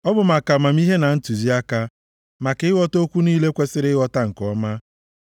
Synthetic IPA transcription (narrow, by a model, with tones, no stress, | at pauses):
ɔ˦bʊ˨ma˨ka˨ma˨m˦i˦ɦe˦na˨n̩˦tu˨zi˦a˦ka˦ | ma˨ke˨˦ɪ˦ɣɔ˦to˦kʷu˦niː˦le˦kʷe˦sɪ˦ɾɪ˦wɔ˦ta˦ŋ̩˨kɔ˦ma˦